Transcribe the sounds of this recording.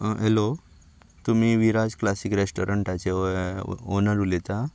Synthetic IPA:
ɦelo | t̪um̤iʋiɾad͡zklasikɾesʈoɾəɳʈat͡ɕe | onəɾulet̪a

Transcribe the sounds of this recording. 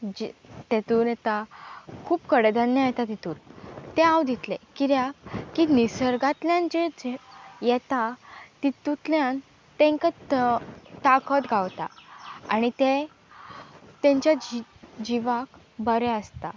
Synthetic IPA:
d͡ʑt̪et̪uːɾjɛt̪akʰuːpkəɽed̪ənjajɛt̪at̪it̪uːɾt̪eawd̪it̪lekiɾjakkinisəɾɡat̪ljãnd͡ʑed͡zjɛt̪at̪it̪ut̪ljãn | t̪ẽŋka | t̪akʰət̪ɡʱawt̪a̰aɽ̃it̪e | t̪ẽɲt͡ɕjad͡ʑiʋak | bəɾɛəst̪a

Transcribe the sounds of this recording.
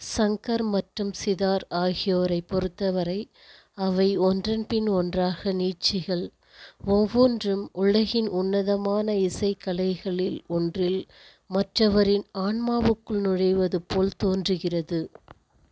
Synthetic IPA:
sɐŋkɐɾmɐʈrɯmsɪðaːɾaːɣɪjoːɾɐɪpːɔɾɯt̪ːɐʋɐɾɐɪ | ɐʋɐɪɔndrɐnpɪnɔndraːɣɐniːt͡ʃɪɣɐɭ | ɔmʋoːndrɯmʊɭɐɣɪnʔʊnːɐðɐmaːnɐɪsɐɪkːɐlɐɪɣɐɭɪlɔndrɪl | mɐʈrɐʋɐɾɪnaːɳmaːʋɯkːɯɭnʊɽɐɪʋɐðɯpoːlt̪oːndrɯɣɪrɐðɯ

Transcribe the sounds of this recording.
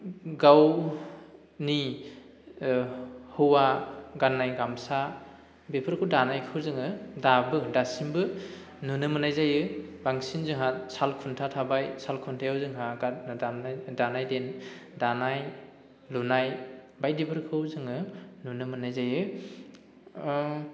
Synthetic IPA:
ɡaw | ni | hɯwaɡanːajɡamsa | bepʰɯɾkʰɯwdanajkʰɯwzɯŋɯdabɯdasimbɯ | nunɯmɯnajzajɯbaŋsinzɯŋɦat̚salkʰuntʰatʰabajsalkʰuntʰajɯwzɯŋɦaɡa | danajdendanaj | lunaj | bajdipʰɯɾkʰɯwzɯŋɯnunɯmɯnajzajɯ

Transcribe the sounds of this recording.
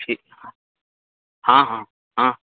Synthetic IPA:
ʈʰiːkɦã | hãːɦãː | ɦãː

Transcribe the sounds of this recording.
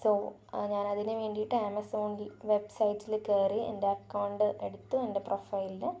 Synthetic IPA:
soː | ɲaːnɐðinɨʋe̞ːɳɖijiʈːɨemɐso̞ːnilʋe̞bsɐjtːilkeːriḛnde̞ɐkːɐwɳɖɨʔeɽut̪ːuende̞profɐjlinɨ

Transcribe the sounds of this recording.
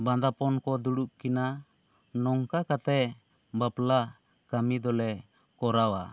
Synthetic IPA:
bãnd̪apɔnkɔd̪uɽuʔ̚kina | nɔŋkakat̪ɛ | bapla | kamid̪ɔlɛ | kɔɾawa̰

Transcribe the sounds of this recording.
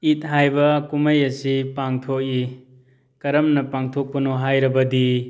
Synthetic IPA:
it̚ɦajbɐkumɐjɐsipaŋtʰok̚i | kɐɾɐmnɐpaŋtʰok̚pɐnoɦajɾɐbɐdi

